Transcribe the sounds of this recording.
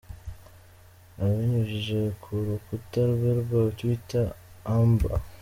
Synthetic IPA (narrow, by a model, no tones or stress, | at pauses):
aβiɲuʒiʒekʰuɾukutaɾβeɾbatwitaː | mba̰